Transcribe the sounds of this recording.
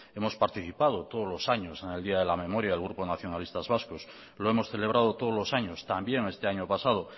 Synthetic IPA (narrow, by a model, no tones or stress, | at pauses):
e̞mo̞spaɾt̪iθipað̞ot̪oð̞ozlo̞saɲosene̞ld̪iaðe̞lamẽ̞moɾjaðelɣ̞ɾuponaθjonalist̪azβaskos | loe̞mo̞sθe̞leβ̞ɾʔað̞ot̪oðozlo̞saɲost̪ambje̞ŋe̞st̪eaɲopasað̞o